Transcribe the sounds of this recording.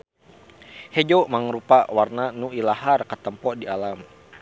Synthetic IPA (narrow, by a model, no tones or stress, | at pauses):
hed͡ʒomaŋɾupawarnanuilaɦarkət̪əmpɔdialam